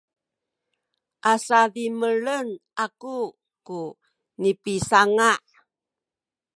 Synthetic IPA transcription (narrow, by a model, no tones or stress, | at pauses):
ʔasadiməɭənʔaku | ku | nipisaŋaʔ